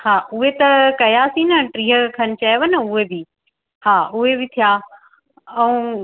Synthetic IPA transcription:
haːʊɦet̪ɐkɐjasĩnɐʈɾiːɦəkʰɐnɪ̆t͡ɕɐjʋənɐʊɦebi | haːʊɦebɪt̪ʰijaː | ɛ̃ũ

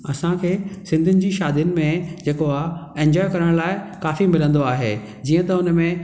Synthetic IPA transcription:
ɐsãkʰeːsɪ̃nd̪ʱʊnɪ̆d͡ʑiːʃaːd̪ijʊnɪ̆mẽd͡ʑeːkoaːẽːɲd͡ʑɔːɪkɐɾəɽ̃laːɪkaːfimɪlə̃nd̪oaːɦeː | d͡ʑiːə̃t̪ɐʊnmẽ

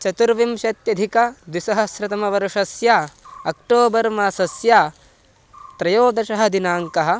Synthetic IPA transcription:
t͡ʃɐt̪uɾʋimʃɐt̪jɐd̪ʱikɐd̪wisɐɦɐ̆sɾɐt̪ɐmɐʋɐɾʂɐsjaːɐk̚ʈoːbɐɾmaːsɐsjaː | t̪ɾɐjoːd̪ɐʃɐɦɐ̆d̪inaːŋkɐɦɐ̆

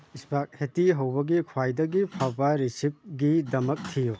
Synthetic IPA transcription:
ispak̚hetiɦɐwbɐɡikʰwajdɐɡipʰawbaɾisip̚ɡidɐmɐk̚tʰiju

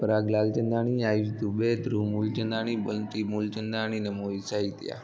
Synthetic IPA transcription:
pəɾaɡlalt͡ʃənd̪aɳ̃iajud͡ʒt̪ubed̪ɾumult͡ʃənd̪aɽ̃ibəlt̪imult͡ʃənd̪aɽ̃inemoisait̪ja̰

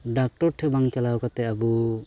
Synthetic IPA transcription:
ɖak̚ʈɔɾʈʰɛbaŋt͡ʃalawkat̪ɛabu

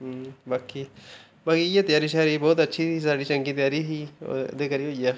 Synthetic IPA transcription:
baːkiː | baːkiːjaːt̪ɪjaːɾiːʃaːɾiːbɔːt̪ətːʃʰiːisaːɖiːt͡ʃəŋɡiːt̪ɪjaːɾiːɦiːd̪eːkəɾiːɦoːijaː

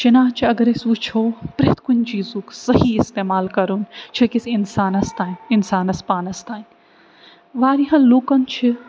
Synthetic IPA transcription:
t͡ʃinaːt͡ʃʰiɐɡɐɾesʋut͡ʃʰoːpɾet̪kunʲd͡ʒiːzuksɐhiɪst̪eːmaːlkɐɾunt͡ʃʰɐkisinsaːnɐst̪aːɪnsaːnɐspaːnɐst̪aːn | ʋaːɾiɦɐ̃luːkɐnt͡ʃʰi

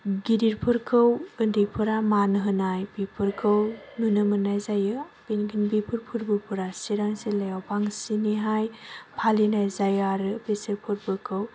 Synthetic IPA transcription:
ɡiɾiɾpʰɯɾkʰɯwɯndipʰɯɾamanɯɦɯnajbipʰɯɾkʰɯwnunɯmɯnajzajɯb̥enɡinbipʰɯɾpʰuɾbɯɾpʰuɾasiɾaŋselajawpʰaŋsiniɦajpʰalinajzajaɾɯbeseɾpʰɯɾpʰɯɾkʰɯw

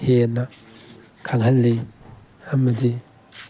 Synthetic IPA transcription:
hena | kʰaŋɦɐlːi | amɐdi

